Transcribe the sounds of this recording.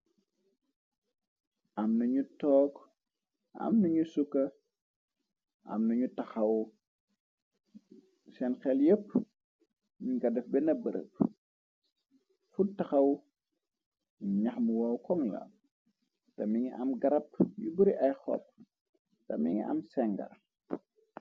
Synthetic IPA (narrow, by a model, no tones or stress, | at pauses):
ɐmnɐɲutɔːk | ɐ̰mnɐɲusukɐ | ʔɐ̰mnɐɲutɐxɐw | sɛnxɛljəp̚ː | ɲuŋɡɐdɐfbɛnɐbɐɾə̰p̚ | futɐxɐw | ɲɐxmuwawkɔŋlɐ̰ | tɐmiŋiʔɐmɡɐɾɐp̚ɲubəɾiʔɐjxɔ̰p̚ː | tɐ̰miŋḭɐ̰msɛŋɡɐ̰ɾ